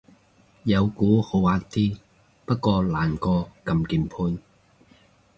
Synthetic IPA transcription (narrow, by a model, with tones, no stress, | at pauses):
jɐ˨˧wkuː˨˥ho˨˧waː˧k̚t̪iː˥ | pɐ˥t̚kɔː˧laː˨˩nkɔː˧kɐ˧mkiː˨˧npʰuː˧n